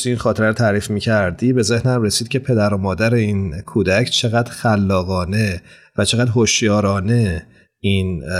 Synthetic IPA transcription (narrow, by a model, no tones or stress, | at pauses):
t̪iinxɒːt̪ʰeɾæɾot̪ʰæɾiːfmiːcʰæɾd̪iːbe̞ze̞hnæmre̞siːd̪̥̚cʰʲe̞pʰe̞d̪æɾomɒːd̪æɾe̞iːnkʰuːd̪æcʰt͡ʃʰe̞ɣæːd̪xælːɒːɣɒːne̞ | væt͡ʃʰe̞ɣæːd̪ɦoʃjɒːɾɒːne̞ | in